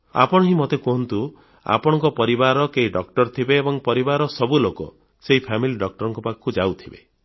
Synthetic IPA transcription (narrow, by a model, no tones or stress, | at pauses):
a̰pɔɽ̃ɔɦĩmɔt̪ekɔɦɔnt̪u | a̰pɔɽ̃ɔŋkɔpɔɾibaɾɔkeɦiɖɔk̚ʈɔɾt̪ʰibeːbɔŋpɔɾibaɾɔsɔbulokɔ̰ | seɦipʰamiliɖɔk̚ʈɔɾɔŋkɔpakkud͡ʒawt̪ʰibḛ